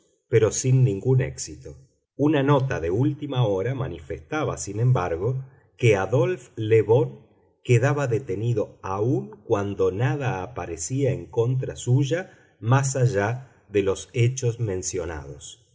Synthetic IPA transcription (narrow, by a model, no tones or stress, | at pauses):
peɾo̞sinːĩŋɡunḛksit̪o | unano̞t̪aðeult̪imaoɾamanifest̪aβa̰sinẽ̞mbaɾɣo̞ | keaðo̞lfleβo̞ŋ | keðaβaðet̪eniðo̞auŋkwand̪o̞naðaːpaɾesiaeŋko̞nt̪ɾasuʒa | mas̬aʒa | ðelo̞set͡ʃosmẽ̞nsjo̞na̰ð̞os